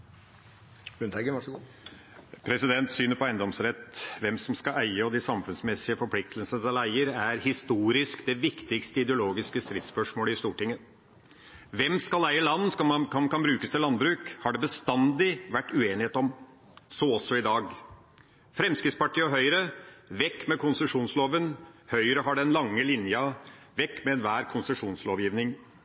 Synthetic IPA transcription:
ʉnt̪æɡəɑʂ | pʰɾɛsɪd̪ɛnt̪syːnəɾpɔæɪnd̪ɔmsɾɛt̪ːʋɛmsɔmskɑæɪəɔd̪ɪsɑmfʉnsmɛsɪəfɔɾpʰlɪk̚t̪ʰəlsənəɛlæɪəɾæɾhɪst̪uːɾɪskd̪ɛʋɪkt̪ɪkst̪əɪd̪əʊloːɡɪskəst̪ɾɪt̪spœʂmoːləɪst̪uːʈɪŋːə | ʋɛmskɑlæɪəlɑnːsɑkʰɑmkʰɑnbɾʉːkəst̪ʰɪlɑnd̪bɾʉːkhɑɖɛbəst̪ɑnd̪ɪʋæʈːʉeːnɪheːt̪ɔm | sɔɔsːɔɪd̪ɑːɡ | fɾɛmskɾɪt̪spɑʈʰiːɔɦœʏɾəʋɛkːmɛkʰʊnsəʂuːnsloːʋənhœʏɾəɦɑɖɛnlɑŋːəlɪnjɑ | ʋɛkːmɛɛnʋæːɾkʰʊnsəʂuːnsloːʋjiːʋnɪŋ

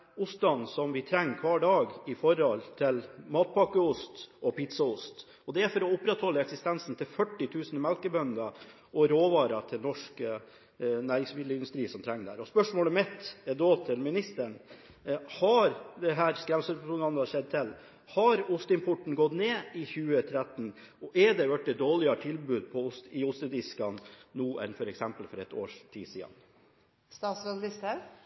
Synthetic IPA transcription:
ʊst̪ɑnsɔmʋɪt̪ʰɾɛŋːkʰʋɑːɖɑːɡɪfɔɾɔlt̪ʰɪlmɑːt̪̚pʰɑkəʊst̪ɔpɪt̪sɑʊst̪ | ɔd̪ɛæɾfɔɾɔʊpːɾɛt̪hɔlːəɛksɪst̪ɛnsn̩t̪ʰɪlfœʈːɪt̪ʰʉːsnmɛlkəbœnd̪ə | ʔɔɾoːʋɑːɾɑt̪ʰɪlnɔʂkə | næːɾɪŋsmɪd̪əɪnd̪ʉst̪ɾiːsɔmt̪ʰɾɛŋːd̪æ̰ːɾɔspœʂmoːləmɛt̪ːɛd̪oːt̪ʰɪlmɪnɪst̪əɳ | hɑɾd̪ɛɦæːɾskɾɛmsəpɾpʊnɑnd̪ɑʃɛd̪̚t̪ʰɪl | hɑɾʊst̪ɪnpʰʊʈɳ̩ɡɔt̪neːɪçʉːət̪ʰɾæt̪ːn | ɔʔɛd̪ɛʋæʈ̚d̪ɛd̪oːlɪɑʈ̪ʰɪlbʉːd̪̚pʰɔʊsɪʊst̪əd̪ɪskɑnːuːʔɛ̰nfɔɾɛksɛmpəlfɔɾɛt̪o̰ːʂt̪ʰḭːsḭːɑ̰n | st̪ɑːt̪slɑld̪ɪst̪ə

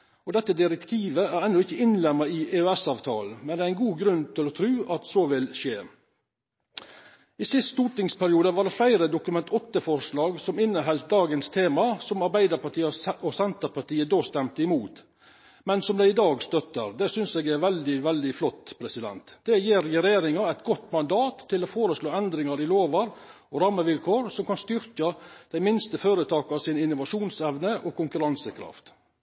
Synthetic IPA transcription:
ɔd̪ɛt̪ːəd̪ɪɾɛkt̪ʰiːʋəæɾɛnːɔɪçːəɪnlɛmːəɪʔeœɛsɑːʋt̪ʰɑ̰ːlmɛnd̪ɛːɾæɪnɡuːɡɾʉnt̪ʰɪlɔt̪ʰɾʉːʔɑt̪soːʋɪlʃeː | ɪsɪst̪t̪uːʈɪŋspʰæɾɪuːd̪əʋɑːɖ̪ɛflæɪɾəd̪ʊkʉmɛnt̪ʰɔt̪ːəfɔɾʂlɑːɡsɔmɪnːəɦɛlt̪̚d̪ɑːɡənst̪ʰeːmɑsɔmɑɾbæɪd̪əɾpʰɑʈʰiːɔsɛnt̪əpʰɑʈiːəd̪oːst̪ɛmt̪əɪmuːt̪ | mɛnsɔmd̪æɪd̪ɑːɡst̪œt̪ːəɾd̪ɛsʏnseːɡɛɾʋɛld̪ɪʋɛld̪ɪflɔt̪ːpʰɾɛsɪd̪ɛ̰nt̪d̪̥ɛjeːɾjɾɛjeːɾɪŋɑɛɪt̪ɡɔt̪ːmɑnd̪ɑːt̪ʰːɪlɔfoːɾəsloːɛnd̪ɾɪŋɑɾɪloːʋɑɾ | ɔɾɑmːəʋɪlkʰoːɾsɔmkɑnst̪ʏɾkɑd̪̥æɪmɪnst̪əføːɾət̪ʰɑːkɑsɪnɪnʊʋɑʂuːnsɛʋnəʔɔkʰʊŋkʉɾɑnsəkʰɾɑ̰ft̪

